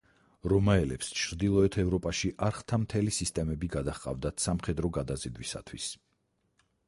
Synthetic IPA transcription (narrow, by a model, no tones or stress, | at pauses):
ɾɔmaɛlɛ̰pst͡ʃʰɾd̪ilˠɔɛt̪ʰɛvɾɔpʼaʃiʔaɾχt̪ʰamt̪ʰɛlisist̪ʼɛmɛbiɡad̪aχqʼa̰vd̪at̪ʰsamχɛd̪ɾɔɡad̪azid̪wisa̰t̪ʰwis